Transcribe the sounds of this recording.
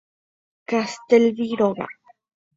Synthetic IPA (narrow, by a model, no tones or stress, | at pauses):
kast̪elviɾoɣa̰